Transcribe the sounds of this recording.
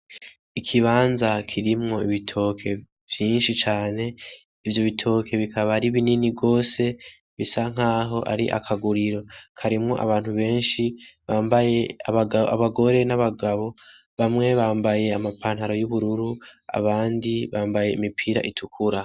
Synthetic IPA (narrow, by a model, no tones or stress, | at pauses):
ikʰiβaːnzakʰiɾimŋo̞iβitʰo̞ːkʰe̞ | v̥jiːnʃit͡ʃaːne̞ | ivjo̞βitʰo̞ːkʰe̞βikʰaβaɾiβininiɡo̞ːse̞ | βisaŋ̥aːɦo̞ʔa̰ɾḭʔa̰kʰaɡuɾiɾo̞kʰaɾimŋo̞̰ʔa̰βaːn̥huβe̞ːnʃiβaːmbajeɡaβaɡo̞ɾe̞naβaɡaβo̞ | βamŋe̞βaːmbaje̞amapaːn̥haɾo̞juβuɾuɾua̰βaːndiβaːmbaje̞imipʰiːɾa̰ʔitʰukʰuɾa